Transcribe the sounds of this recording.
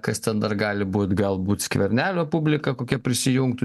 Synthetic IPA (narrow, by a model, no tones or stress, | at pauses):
kɐst̪ʲɛnd̪ɐrɡɑːlʲɪbuːt̪ɡɐlˠbuːt̪sʲkʋʲɛɾʲnʲæːlʲopʊbʲlʲɪkɐkoːkʲɛpʲɾʲɪsʲɪjʊŋkt̪ʊ